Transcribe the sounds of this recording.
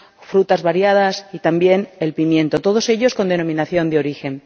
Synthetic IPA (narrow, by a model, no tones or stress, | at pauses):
fɾut̪azβaɾjað̞asit̪ambje̞ne̞lpimjẽ̞nt̪o̞t̪o̞ð̞o̞se̞ʎo̞sko̞nd̪eno̞mĩnaθjo̞nd̪eo̞ɾixe̞n